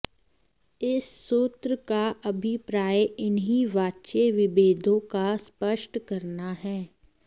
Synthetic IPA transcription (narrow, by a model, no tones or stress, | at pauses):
ɪsːoːt̪ɾəkaʔɐbʱipɾaːjɪnɦiʋaːtːʃeʋɪbeːd̪ʱõkaspəʃʈkɐɾnaɦɛː